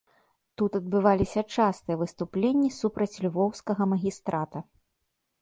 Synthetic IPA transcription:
t̪ut̪ɐd̪̚bɨvalʲisʲɐt͡ʂast̪ɨjɛvɨst̪uplʲenʲːisupɾɐt͡sʲlʲvɔwskɐɣɐmɐɣʲist̪ɾʔat̪ɐ

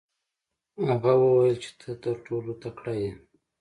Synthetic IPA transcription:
haɣawəwajəlt͡ʃe̥t̪ʰət̪əɾʈolot̪akɽaje

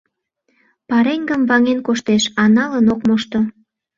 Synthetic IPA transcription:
pɑɾeŋɡəmvɑŋenkoʃt̪eʃɑnɑlənokmoʃt̪o

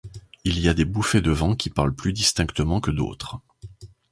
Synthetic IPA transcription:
iliad̪ebufed̪əvɑ̃kʲʰipaʁlplyd̪ist̪ɛ̃kt̪əmɑ̃kəd̪o̰t̪χ

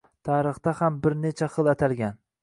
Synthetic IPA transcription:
t̪ʰaːɾɨχt̪ahambɪɾnet͡ʃʰaχɨlˠat̪ʰalɡʲan

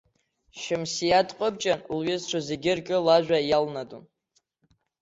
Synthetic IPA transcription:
ʃɪmsijadqʼəbt͡ʃʼanlɥɪzʈ͡ʂʷʰazeɡʲɪrkʲʼɪlaʒʷᶣajalnadun

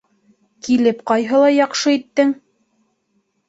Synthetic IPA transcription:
kilɘpqɑjɦɤlˠɑjɑqʃɤit̪ːɘŋ

